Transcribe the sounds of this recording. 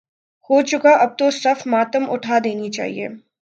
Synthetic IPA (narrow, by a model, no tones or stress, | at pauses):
hoːt͡ʃʊkaʔɐb̚t̪osɐfmaːt̪əmʔʊʈʰaːd̪eːnit͡ʃa̰ːɦḭḛː